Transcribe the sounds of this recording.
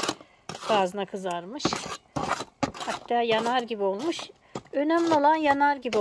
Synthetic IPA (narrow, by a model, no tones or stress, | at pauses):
bʰaːzɯnakʰɯzaɾmɯʃ | hat̪ːaːjanaɾɟibio̞lˠmuʃ | ø̞næmlʲio̞lˠanjanaɾɟibio